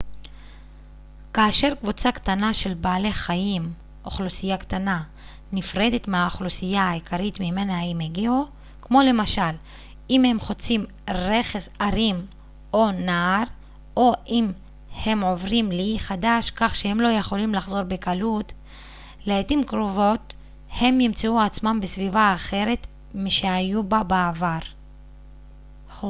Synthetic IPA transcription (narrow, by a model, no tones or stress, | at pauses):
kaːʃe̞ʁkvut͡sakt̪anaʃe̞lbaːle̞χajim | ʔoχlusijakt̪ana | nifʁe̞d̪e̞t̪meaχlusijaːikaʁit̪mime̞naaimeɡeo | kmo̞le̞maʃal | imhe̞mχo̞t͡sim | ʁe̞χezaʁim | o̞naːɾ | ʔoim | he̞mo̞vʁimliχadaʃkaχʃehemlo̞jeχo̞limlaχzo̞ʁbekalut | leːtimkʁovo̞t | he̞mjimt͡seuat͡smambesvivaːχe̞ɾe̞t | miʃeajubabaavaʁ